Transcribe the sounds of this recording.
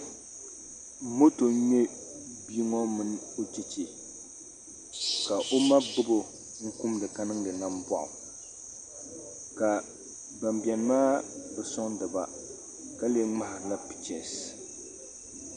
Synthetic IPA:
mo˦to˨ɲɛ˦ | biː˦ŋɔ˦mɨ˦n˦o˦d͡ʒe˦t͡ʃe˨ | ka˨ʔo˦ma˦bɨ˦bo˦ | ŋ̩˦kʊ˦mdɨ˨ka˦nɨ˦ŋdɨ˨na˦mbɔ̰˨ʔʊ̰˨ | ka˨ | ba˨mbi˨ɛ˨n˦maː˦bɛ˨sʊ˦ŋdɨ˨ba̰˦ | ka˦le˦ŋ͡ma˦hɾla˦pɪ̥˨t͡ʃɛ˨n˨s

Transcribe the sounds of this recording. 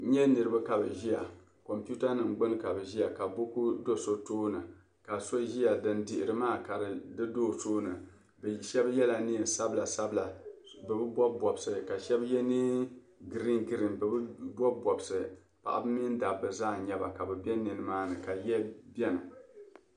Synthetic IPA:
ɲɛ˦nɨ˨ɾɨ˦ba˦ka˨bɨ˨ʒi˦ja˨ | ko˨mpi˦u˦ta˦nɨ˨mɡ͡bʊ˦n˦ka˨bɨ˨ʒi˦a˨ka˨bo˦ku˦do˦so˦toː˦nɨ˨ | ka˨so˦ʒi˦ja˨dɨ˦ndi˨ʔɪ˨ɾɨ˨maː˦ka˨ɾɨ˨dɨ˦doː˦˨soː˦nɨ˨ | ʃɛ˦bjɛ˦la˨ni˦˨sa˦bla˨sa˦bla˨ | bɨ˨bɨ˦bɔ˦bɔ˨bsɨ˨ka˨ʃɛ˦bjɛ˦ni˦ | ɡɾi˦nɡɨ˦ɾi˨nbɨ˨bbɔ˦bɔ˨bsɨ˨ | pa̰˨ʔa̰˨bɨ˦mi˦nda˨bɨ˨zaː˦˨ɲɛ˦ba̰˨ka˨bɛ˨bɛ˦nɨ˨nɨ˨maː˦nɨ˨ka˨jɛ˦bɛ˦nɨ˨

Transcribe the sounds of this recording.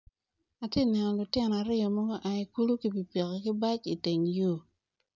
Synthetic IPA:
a˨te˦˨nɛ˨nɔ˨lʊ˨tɪ˦nɔ˨a˨ɾɪ˦ɔ˨mɔ˦ɡɔ˦ʔa˨i˨ku˦lu˦ki˨pi˨pe˨kɛ˨kɪ˦ba˦t͡ʃi˨te˨ŋjo˦˨

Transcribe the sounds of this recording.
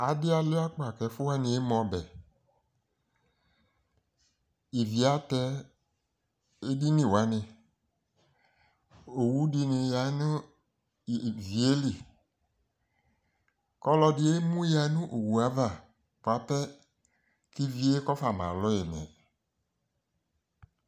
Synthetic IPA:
a˨dɪ˦a˨lʊ˦a˦k͡pa˨kɛ˨fʊ˦wa˦nɪ̃˨e˦mɔ̃˨˦bɛ˨ | i˨vi˨a˦tɛ˦ | e˦di˦nĩ˦˨wa˨˦nɪ̃˧ | o˨wu˨˦dɪ˦nɪ˨ja˨˦nʊ˦˨ | vi˨e˦li˨ | kɔ˦lɔ˦dɪ˦e˦mũ˦ja˨˦nʊ̃˦ʔo˨wu˨a˨˦va˨ | pa˨˦pɛ˦ | ki˦vi˦e˦kɔ˦fa˨mã̰˨lʊ˦ɪ˨nɛ̰˨

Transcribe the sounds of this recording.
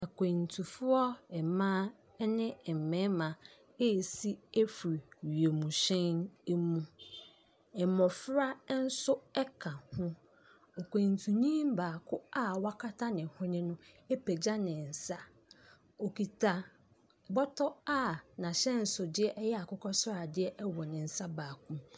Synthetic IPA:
a˨kʷʰẽ˨n˨tʰu˨fʊ˦ɔ˦ɛ˨mãː˦ | ɛ˦nɪ̃˦ɛ˨m̩˨mɛ̃˨˦mã˨ | e˦˨si˦e˦fu˨ɾi˨ɥi˨e˨mũ˨ɕɛ̃˦ne˦mũ˦ | ɛ˨mɔ̃˨fɾa˦n̩˦sʊ˦ɛ˦kʰã˨hʊ̃˦ | o˨kʷẽ˨n˨tʰũ˨ɲĩ˦mbaː˨kʰʊ˦a˦wa˦kʰa˦tʰa˦nɪ̃˨hʊ̃˦nɪ̃˦nʊ̃˦e˦pʰe˨d͡ʑa˦nɪ̃˨n̩˨sa˦ | o˨kʰi˨tʰa˨ | bɔ˦tʰɔ˦a˦˨nã˨ɕɛ˦n̩˨sʊ˨dɪ˦ɛ˦ʔɛ˦jɛ˦a˨kʊ˦kʰɔ˦sɾa˨dɪ˦ɛ˦ʔɛ˦wɔ˨nɪ̃˨n̩˨sa˦baː˨kʰũ˦m

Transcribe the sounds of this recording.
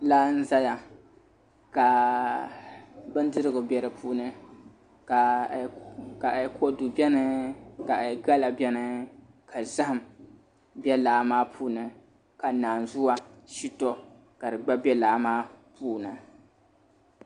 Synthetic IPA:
la˦n̩˦za˦ja˨ | ka˨ | bɨ˦n˦dɨ˦ɾɨ˦ɡʊ˨bɛ˨ɾɨ˨pʰuː˦nɨ˦ | ka˨ | ka˨kɔ˦du˨bɛ˦nɨ˦ka˨ɡa˦la˨bɛ˦nɨ˦ | kʰa˨za˦hɨ˨m | bɛ˦laː˨maː˦pʰuː˦nɨ˨ | ka˨naː˨nzʊ˦wa˦ʃi˦tɔ˦ | ka˨dɨ˨ɡ͡ba˦bɛ˦laː˨˦maː˦puː˦nɨ˨

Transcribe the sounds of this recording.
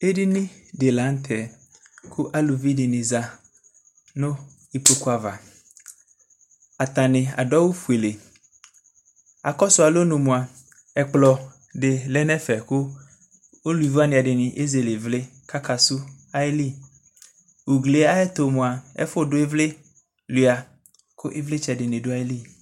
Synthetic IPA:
e˦di˦nɪ̃˦de˨la˨˦n˦t̪ʰɛ˨ | kʰʊ˦ʔa˦lu˨vi˦dɪ˨nɪ̃˨za˨ | nʊ̃˦ | i˨po˦ku˦a˨va˨ | a˨t̪a˨nɪ̃˨a̰˨dɔ˦wo˦fu˨e˨le˨ | a˨kɔ˦sʊ˨˦a˨lo˦nũ˨mʊ̃˨a˨ | ɛ˨k͡plɔ˨ | ɖɪ˨lɛ˦nɛ˦fɛ˨kʊ˦ | o˦lu˨i˨va˦nɪ̃˨a˨ɖɪ˨nɪ̃˨ʔe˦ze˨le˨vle˦ka˦ka˨su˦ | a˦e˦li˦ | u˨ɡle˨˦a˦ɛ˦t̪o˨mõ˨a˨ɛ̰˦fo˦dʊ˦e˦vle˦ | lu˨a˨ | kʊ˦ʔe˦vle˦t͡ʃɛ˨dɪ˨nɪ̃˨do˦a˦e˦li˦

